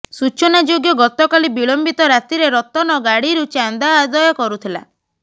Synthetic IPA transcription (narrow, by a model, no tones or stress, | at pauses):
sut͡ʃɔnad͡ʒoɡjɔɡɔt̪ɔkalibiɭɔmbit̪ɔɾat̪iɾeɾɔt̪ɔnɔɡaɽiɾut͡ʃand̪aːd̪ɔjɔkɔɾut̪ʰila̰